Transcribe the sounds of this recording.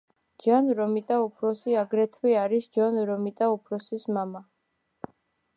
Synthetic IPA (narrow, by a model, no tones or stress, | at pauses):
d͡ʒanɾɔmit̪ʼaupʰɾɔsiaɡɾɛt̪ʰwiaɾisd͡ʒɔnɾɔmit̪ʼaupʰɾɔsismama